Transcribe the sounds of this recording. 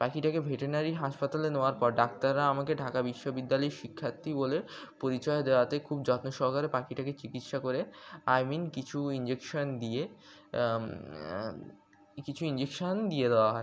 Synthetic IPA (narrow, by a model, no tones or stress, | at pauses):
pakiʈakebʱeʈeɾnaɾiɦaʃpat̪aleneoaɾpɔɾɖak̚t̪aɾːaamakeɖʱakabiʃːobid̪ːalɔjʃikʰːat̪ːibolepoɾit͡ɕɔed̪eoat̪ekʰub̚d͡ʑɔt̪noʃɔɾkaɾepakiʈaket͡ɕikit̪ʃakoɾeajminkit͡ɕʰuind͡ʑekʃond̪ie | kit͡ɕʰuind͡ʑekʃond̪ijed̪eoaɦɔe